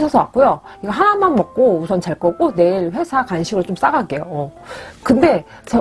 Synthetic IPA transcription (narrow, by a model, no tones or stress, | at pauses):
ɕʰʌsʰʌwa̰k̚k͈ojoiɡʌɦanamanmʌk̚k͈ousʰʌnt͡ɕaɭk͈ʌɡone̞iɾɸwe̞sʰakanɕʰiɡɯɭt͡ɕoms͈aɡaɡe̞joʌkɯnde̞ | t͡ɕʌ